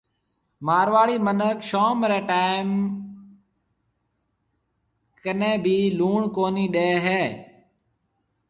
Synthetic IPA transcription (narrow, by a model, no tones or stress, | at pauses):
maːɾʋaːɭiːmənəkʃoːmɾeːʈaːɪm | kənẽːbʱiːluːɳkoːniːɗeːɦeː